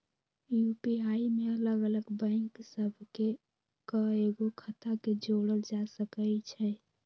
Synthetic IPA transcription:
jupiaimeələɡələɡbə̃ɪŋksəbʱke | kəeɡokʰət̪aked͡ʒoɽəld͡ʒasəkəjt͡ʃʰɛ

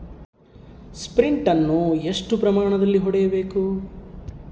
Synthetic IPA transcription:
spɾiɳʈɐnːueʂʈupɾɐmaːɳɐd̪ɐlːiɦɔɽɛjɐbe̞ːku

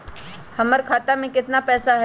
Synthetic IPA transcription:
hɐməɾkʰaːt̪amẽkɪt̪napɛːsaɦɛ

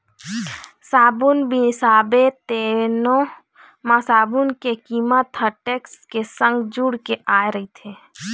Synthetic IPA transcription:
saːbunbisaːbet̪eːno | mãsaːbunkekiːmət̪ɦəʈeːkskesə̃ŋɡd͡ʒuɽkeaːeɾəɦit̪ʰeː

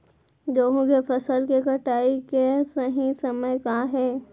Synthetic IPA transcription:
d͡ʒoːɦõkefɐsəlkekɐʈaːikesəɦĩsɐməjkãːɦɛː

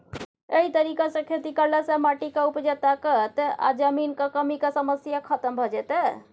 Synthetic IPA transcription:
eɦit̪əɾikasə̃kʰet̪ikəɾlesemaʈikeupd͡ʒət̪aket̪a̰d͡ʒəminkekəmikesəməsjakʰət̪əmbʱɔd͡ʒɛt̪ɛ

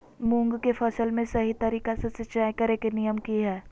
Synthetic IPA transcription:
mũŋɡkefʰɐsəlmẽsɐɦit̪ɐɾiːkasesɪʃaːjkɐɾekenijəmkiɦɛː

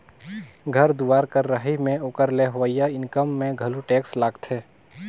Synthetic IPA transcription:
ɡʱəɾd̪uaːɾkəɾːəɦimẽoːkəɾleɦʋəijaɪnkəmːẽɡʱəluʈeːkslaːɡt̪ʰɛː

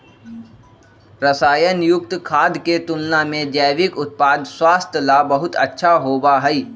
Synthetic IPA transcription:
ɾəsaːjənjʊk̚t̪kʰaːd̪ket̪ʊlnamẽd͡ʒəːʋɪkʊt̪̚paːd̪swaːst̪ʰjəlabɐɦʊt̪ɐ̰tːʃʰaɦoːbaɦɛiː

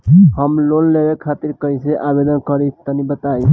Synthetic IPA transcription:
həmlonlebekʰat̪iɾkəiseʔabed̪ənkəɾit̪ənibət̪aj

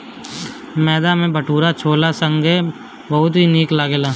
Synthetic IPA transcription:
mɛːd̪amẽbʱəʈʰuːɾat͡ʃʰoːlasə̃ŋɡe | bɐɦʊt̪ɦiniːklaːɡeːlaː

